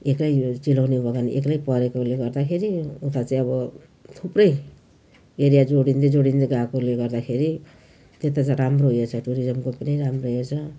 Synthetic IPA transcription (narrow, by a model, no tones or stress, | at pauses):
eklajt͡silawnebʱʌɡanḭʔeklajpʌɾekouleɡʌrd̪akʰeɾiut̪at͡saĩʌβʌ | t̪ʰuprʌj | eɾijad͡zoɽint̪ed͡zoɽint̪eɡakoleɡʌrd̪akʰeɾi | t̪et̪at͡saɾamroɦjet͡sʰʌʈuɾid͡zʌmkopʌniɾamroɦet͡sʰʌ